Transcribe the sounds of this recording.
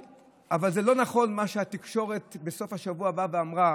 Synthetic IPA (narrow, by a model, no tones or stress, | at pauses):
ʔavalzelo̞naχo̞nmaʃeat̪ikʃo̞ʁe̞t̪be̞so̞fhaʃavuabaveamʁa